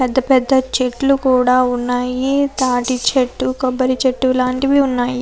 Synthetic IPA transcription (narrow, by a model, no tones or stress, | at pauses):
pɛd̪ːɐpɛd̪ːɐt͡ʃeʈlukuːɽaːunːaːjit̪aːʈit͡ʃeʈːukɐbːɐɾit͡ʃeʈːulaːɳʈiʋiunːaːji